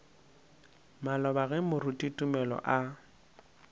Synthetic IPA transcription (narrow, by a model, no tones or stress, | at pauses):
malɔbaɣɛmʊrutʼitʼumɛlɔ̰ʔa